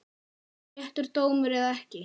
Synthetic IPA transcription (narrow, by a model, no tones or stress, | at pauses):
ɛht̪ʏɾ̥t̪oːwmʏɾɛðaɛhcɪ